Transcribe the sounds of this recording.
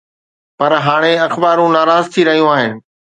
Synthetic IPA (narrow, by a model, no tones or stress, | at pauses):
pɐɾɦaːɽ̃eɐxbaːɾũnaːɾaːzt̪ʰiɾɐɦijũaːɦɪnɪ̆